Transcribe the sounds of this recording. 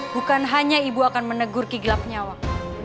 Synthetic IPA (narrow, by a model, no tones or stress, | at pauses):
bukanɦaɲaibuakanmənəɡʊrkiɡlap̚ɲawa